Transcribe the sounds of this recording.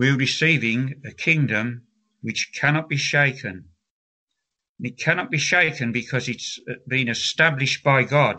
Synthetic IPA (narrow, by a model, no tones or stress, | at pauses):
wiɹɨsivɪ̃ŋɨkʰɪ̃ŋdɨ̃m | wɨt͡ʃkʰænɑt̚b̥iʃeɪkʰɨ̃n | nɨt̚kʰænɒt̚b̥iʃeɪkɨ̃nbɨkʰʌzɨtsb̥ĩnɨstæblɨʃb̥aɪɡɑd̥